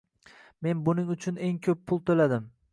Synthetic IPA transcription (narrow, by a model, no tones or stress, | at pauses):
me̞nbʊnɪŋʊt͡ʃʰʊne̞ŋkʲʰɵpːʰʊlˠt̪ʰolad̪ɪm